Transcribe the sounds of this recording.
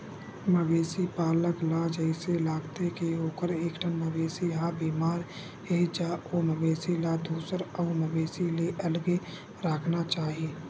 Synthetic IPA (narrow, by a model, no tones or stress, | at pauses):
məbeːsipaːləklad͡ʒəɦɪselaːɡt̪ekeoːkəɾeːkʈʰənməbeːsijãbiːmaːɾ | ɦed͡ʒaːoːməbeːsilad̪uːsəɾɔːməbeːsileʔɐlɡe | ɾaːkʰnat͡ʃaːɦieː